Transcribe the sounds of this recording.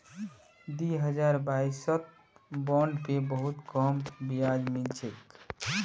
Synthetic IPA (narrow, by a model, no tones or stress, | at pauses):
d̪iɦəd͡ʒaɾbaisɔt̪̚ | bɔɳɖpebəɦut̪kɔmbijad͡ʒmet͡ʃʰek